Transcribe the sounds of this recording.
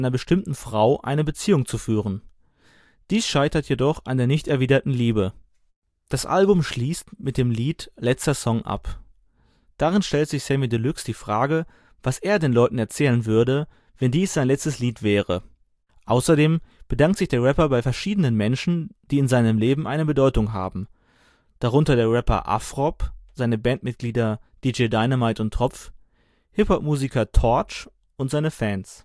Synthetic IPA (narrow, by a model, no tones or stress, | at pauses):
ɪnɐbəʃtɪmtn̩fʁ̥aʊʔa̰ɪnəbət͡siːʊŋt͡sufyːʁ̞ən | d̥iːsʃaɪtɐtʰjedɔχa̰ndeːɐnɪçtɛɐviːdɐtn̩liːbə | d̥asʔa̰lbʊmʃliːstmɪt̚d̥eːmliːtlɛt͡stɐsɔŋʔa̰p | d̥aʁɪnʃtɛltz̥ɪçsɛmidəlʏksd̥iːfʁ̥aːɡə | v̥asʔeːɐdeːnlɔʏtn̩ɛɐt͡sɛːlənvʏɐdə | vɛndiːsz̥aɪnlɛt͡stəsliːtv̥ɛːʁə | ʔaʊsɐdeːmb̥ədaŋk̚tz̥ɪçd̥eːɐʁɛpɐbaɪfɛɐʃiːdənənmɛnʃn̩d̥iːɪnzaɪnəmleːbm̩ʔaɪnəbədɔʏtʊŋɦa̰ːbm̩ | d̥aʁ̞ʊntɐdeːɐʁɛpɐ̰ʔa̰fʁ̥ɔpz̥aɪnəbɛntmɪt̚ɡ̥liːdɐd̥iːd͡ʒeɪdaɪnəmaɪtʊntʰːʁ̥ɔp͡f | hɪphɔp̚muːzikʰɐtʰɔɐt͡ʃ | ʔʊntz̥aɪnəfɛːns